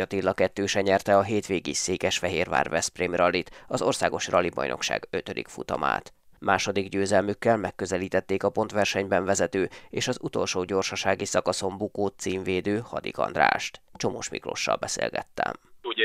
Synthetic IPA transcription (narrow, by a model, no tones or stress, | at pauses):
ɒt̪ilːɒkɛt̪ːøːʃɛɲɛrt̪ɛɒɦeːt̪ʋeːɡiseːkɛʃfɛɦeːrva̰ːrvɛsprimrɒlːit̪ɒzo̞rsaːɡo̞ʃrɒlibɒ̰jno̞̰kʃa̰ːɡø̞t̪ød̪ikfut̪ɒma̰ːt̪ | maːʃo̞d̪iɡɟøːzɛlmykːɛlmɛkːøzɛliːt̪ɛt̪ːeːkɒpo̞nt̪ʋɛrʃɛɲbɛɱvɛzɛt̪øːeːʃɒzut̪o̞lʃoːɟo̞rʃɒʃaːɡisɒkɒso̞mbukoːt̪siːɱveːd̪øːhɒd̪ḭkɒ̰nd̪ra̰ːʃt̪t͡ʃo̞moːʃmḭkro̞̰ʃːɒ̰lbɛsḛːlɡɛ̰t̪ːɛ̰mu